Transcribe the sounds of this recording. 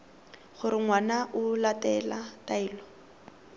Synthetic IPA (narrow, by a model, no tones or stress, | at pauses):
χʊɾɪŋwanaʔʊlatɛlataiːlɔ